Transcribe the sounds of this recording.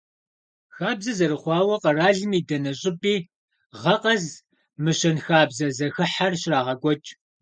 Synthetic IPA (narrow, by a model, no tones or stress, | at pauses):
xaːbzɐzɐɾɨχʷɑːwɐqɐraːɮɨmiːdɐnɐɕʼɪpʼiː | ʁɐqɐz | mɨɕɐnxaːbzɐzɐxɨħarɕraːʁɐɡʷʼɔt͡ʃʼ